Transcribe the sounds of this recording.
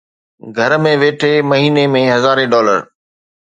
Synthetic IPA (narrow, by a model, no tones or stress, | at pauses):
ɡʱɐɾmẽʋeːʈʰemɐɦiːnemẽɦɐzaːɾeɖɔːlə̰ɾ